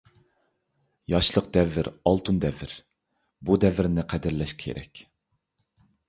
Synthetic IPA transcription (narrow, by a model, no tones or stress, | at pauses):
jɑʃlˠəq̚d̪ɛvːɪɾɑlˠt̪ʰund̪ɛvːɪɾ | bud̪ɛvɪɾnɪqʰæd̪ɪɾlɛʃkʲʰḛɾɛ̰kʲ